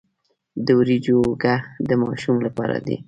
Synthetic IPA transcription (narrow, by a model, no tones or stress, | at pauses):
d̪əwɾid͡ʒoɡahd̪əmɑʃumlapɑ̰ɾa̰d̪ḭ